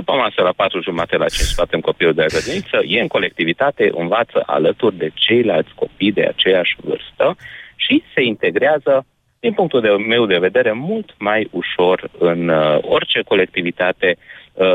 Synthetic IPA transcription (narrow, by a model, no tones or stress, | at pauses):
d̪upəmasəlapat̪ɾuʒumat̪ela̰ːt͡ʃeʃt̪fat̪emko̞piluld̪eaɡəd̪unit̪səjeɨŋko̞le̞k̚t̪ivit̪at̪e̞ʔɨ̰nvat̪sə̰ʔa̰lət̪urʲd̪e̞t͡ʃe̞jlalt̪sʲko̞pijd̪e̞̰a̰t͡ʃe̞jaʃʲvɨ̰rst̪əʃise̞int̪e̞ɡɾeazə | d̪̥inpuŋkt̪ueme̞wd̪e̞ve̞d̪e̞ɾe̞mult̪majuʃo̞rɨno̞rt͡ʃe̞ko̞le̞k̚t̪ivit̪at̪e̞